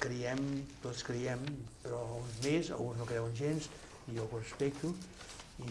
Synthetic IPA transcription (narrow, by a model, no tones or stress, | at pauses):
kɾiɛmt̪ot̪skɾiɛmpɾɔunzmeza̰lˠɣunznokɾɛwunʒens | ioɣurespɛk̚t̪u | i